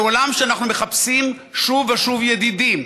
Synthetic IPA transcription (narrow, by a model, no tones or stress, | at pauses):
olamʃeanaχnume̞χapsim | ʃuvaʃuvjed̪idim